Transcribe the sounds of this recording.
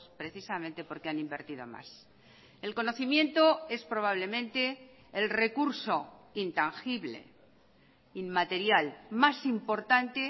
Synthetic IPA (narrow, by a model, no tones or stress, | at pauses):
spɾe̞θisament̪e̞po̞ɾkeanimbe̞ɾt̪iðo̞̰ma̰s | e̞lko̞no̞θimjẽ̞nt̪o̞e̞spɾo̞β̞aβ̞le̞mẽ̞nt̪e̞ː | lre̞kuɾso̞int̪aŋxiβle̞̰ | immat̪e̞ɾjalmasimpo̞ɾt̪ant̪e